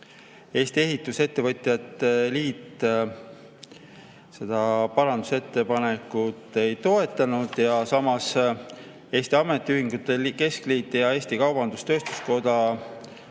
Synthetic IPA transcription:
e̞ːst̪ie̞ɦit̪ˑːuse̞t̪ːe̞vɤt̪ʲˑjɑt̪ːeliːt̪ːˑ | se̞d̪̥ɑpɑɾɑnd̪use̞t̪ːe̞pɑnekut̪ːˑe̞jt̪o̞e̞t̪ˑːɑnud̪̥jɑsɑmɑs | e̞ːst̪iɑme̞t̪ːˑiyɦiŋɡut̪ːˑeke̞skliːt̪ːˑejɑe̞ːst̪ikɑwb̥ɑnd̪̥ust̪ø̞ːst̪u̥sko̞d̪ɑ

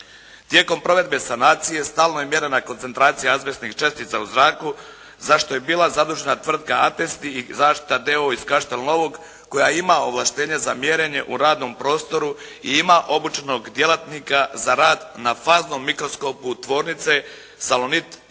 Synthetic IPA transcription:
t̪je̞ːko̞mpɾo̞ʋe̞d̪̚be̞sanaːt̪sije̞st̪aːlˠnojemje̞ɾenako̞nt̪se̞nt̪ɾaːt̪sijeazʋesnixt͡ʃe̞st̪it̪sauzɾaːku | zaʃt̪o̞je̞biːlˠazad̪uʒe̞nat̪ʋr̩d̪kaat̪est̪iizaːʃt̪i̥t̪ad̪e̞oiskaʃt̪e̞lno̞ʋo̞ɡː | o̞jaimao̞ʋlˠaʃt̪e̞ːɲeza̰mje̞ɾe̞ɲe̞ʔuɾaːd̪no̞mpɾo̞ːst̪o̞ɾu | iimaʔo̞but͡ʃeno̞ɡd̪je̞lat̪nikazaɾaːd̪nafaːzno̞mːikɾo̞sko̞put̪ʋo̞ːɾnit̪se̞ | salonit̪

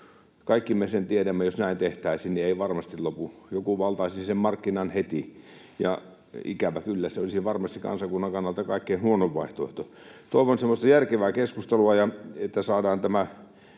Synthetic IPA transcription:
kɑikːimesent̪iedæmːæjosnæint̪eht̪æisinnieiʋɑrmɑst̪illopujokuʋɑlt̪ɑisisemmɑrkːinɑnhet̪i | jɑ̰ | ḭkæʋækylːæseolisiʋɑrmɑst̪ikɑ̰nsɑkunːɑŋkɑnːɑlt̪ɑkɑikːeinhuonoʋʋɑiht̪oeiht̪o | t̪oˑiʋonsemːost̪ɑjærkeʋæːkeskust̪eluɑjɑet̪ːæsɑːdɑːnt̪æmæ

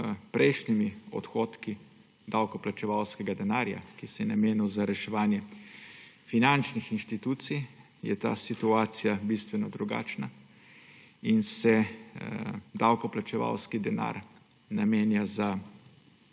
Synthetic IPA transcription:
pɾʔɛjʃnimiɔ̰t̪xoːt̪ki | d̪awkɔplat͡ʃɛʋawskɛɡad̪ɛnaːɾja̰kisɛjɛnameːnuwzaɾɛʃɛʋaːnjɛ | finant͡ʃnixinʃt̪it̪uːt̪sij | jɛ̰t̪a̰ːsit̪uaːt̪sijabist̪ʋɛnɔd̪ɾuɡa̰ːt͡ʃna | insɛ | d̪awkɔplat͡ʃɛʋa̰wskid̪ɛna̰ːɾ | nameːnjaza

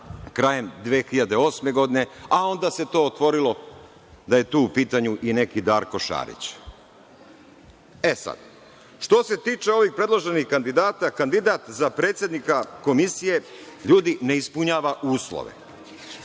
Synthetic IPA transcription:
kɾaːje̞md̪ʋeːxiʎad̪e̞o̞ːsme̞ɡo̞d̪ine̞ao̞nd̪ase̞t̪o̞ːot̪ʋo̞ɾilo̞ | d̪aje̞t̪uːupiːt̪aɲuʔine̞kid̪aːɾko̞ʃa̰ːɾḭt͡ɕ | e̞sa̰d̪̥ | ʃt̪o̞se̞t̪iːt͡ʃe̞o̞ʋix̚pɾe̞d̪lˠoʒe̞nihkand̪id̪aːt̪akand̪id̪at̪zapɾet̪sje̞d̪nikako̞misije̞ʎuːd̪ine̞ispuɲaːʋaʔuːslˠo̰ʋḛ

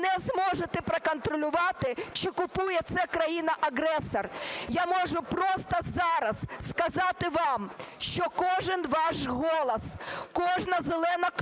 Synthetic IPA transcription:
nɛzmɔʒet̪ɛpɾɐkɔnt̪ɾɔlʲʊʋɑt̪ɪt͡ʃɪkʊpujɛt̪sɛkɾɐjinɐʔɐɦɾɛsɔrjamɔʒʊpɾɔst̪ɐzɑɾɐzskɐzɑt̪ɪʋɑmʃt͡ʃɔkɔʒɪnʋɑʃɦɔlˠɐskɔʒnɐzelˠɛnɐk

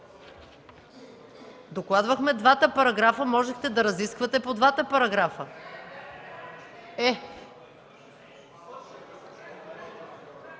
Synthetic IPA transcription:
d̪oklˠad̪vɐxmɛd̪vat̪əpɐɾɐɡɾafəmɔʒɛxt̪ɛd̪ɐɾɐziskvɐt̪ɛpod̪vat̪əpɐɾɐɡɾafə | ɛ

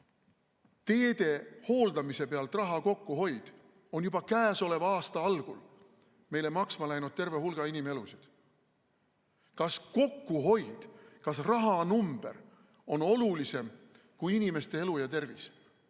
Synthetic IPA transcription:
t̪e̞ːd̪̥e̞ho̞ːld̪ɑmise̞pe̞ɑlt̪rɑɦɑko̞kːuɦo̞jd̪̥ | o̞njub̥ɑkæːso̞le̞vɑɑːst̪ɑɑlɡ̥ul | me̞jlemɑksmɑlæjnud̪̥̚t̪e̞rve̞ɦulɡ̥ɑinime̞lusid̪̥ | kɑsko̞kːuɦo̞jd̪̥kɑsrɑɦɑnumb̥e̞̰r | o̞no̞lulise̞m | kujinime̞st̪e̞e̞lujɑt̪e̞rvis

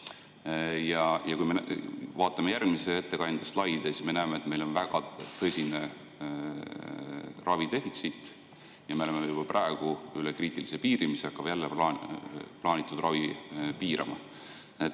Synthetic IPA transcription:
jɑjɑkujmevɑːt̪ːˑɑme̞jærɡ̚misee̞t̪ːe̞kɑnd̪̥est̪lɑjd̪̥esi̥sme̞næːmeːt̪me̞jlo̞nvæɡ̥ɑt̪ɤ̞sʲine | rɑvid̪e̞fit̪sit̪ˑ | jɑme̞olememejub̥ɑprɑe̞ɡ̥uylekriːt̪ˑilisepiːɾimiseɑkːˑɑb̥jælːepː | plɑːnʲit̪ːˑud̪̥rɑvipiːɾʔɑ̰mɑ̰ | et̪

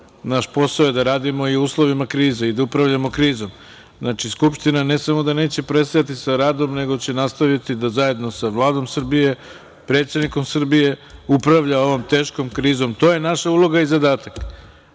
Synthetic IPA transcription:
naʃpo̞saojed̪aɾaːd̪imo̞iuːslˠo̞ʋimakɾiːzeid̪aupɾaʋʎamokɾiːzo̞m | znat͡ʃiskupʃt̪inane̞samo̞d̪ane̞ːt͡ɕe̞pɾe̞st̪ajat̪isaɾaːd̪o̞mne̞ɡo̞t͡ɕe̞nast̪aʋit̪id̪azaje̞d̪no̞saʋlˠaːd̪o̞msr̩bije̞ | pɾe̞ːt̪sʲe̞d̪niko̞msr̩bije̞upɾaʋʎao̞ʋo̞mt̪e̞ːʃko̞mkɾiːzo̞mt̪o̞je̞naʃaulˠo̞ɡaizad̪aːt̪ak

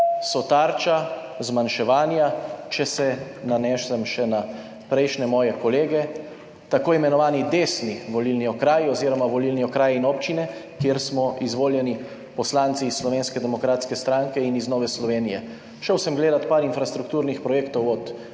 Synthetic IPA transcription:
sɔt̪aːɾt͡ʃa | zmanʃɛʋaːnjat͡ʃɛsɛnanɛːʃɛmʃɛna | pɾɛjʃnɛmɔːjɛkɔleːɡɛ | t̪akoːimɛnɔʋaːnid̪eːsniʋɔlilniɔkɾaːjiɔziːɾɔmaʋɔliːlniɔkɾaːjinɔpt͡ʃinɛkjeːɾsmɔʔizʋoːljɛni | pɔslaːnt̪siːssːlɔʋeːnskɛd̪ɛmɔkɾaːt̪skɛst̪ɾaŋkɛiniznɔːʋɛslɔʋeːnijɛ̰ | ʃəwsɛmɡleːd̪at̪paːɾinfɾast̪ɾukt̪uːɾnixpɾɔjeːkt̪ɔwɔt̪

